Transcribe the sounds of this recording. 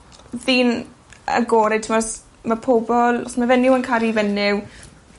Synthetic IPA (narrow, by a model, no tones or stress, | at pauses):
ðiːn | ə̰ɡoːɾɛtʰɪmɔs | mapʰobɔlˠɔsmavɛnɪwənkʰaɾivɛnɪw